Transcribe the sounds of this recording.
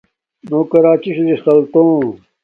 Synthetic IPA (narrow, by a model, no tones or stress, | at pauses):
noːkɐɾaːt͡ɕiɕzisɐlt̪õː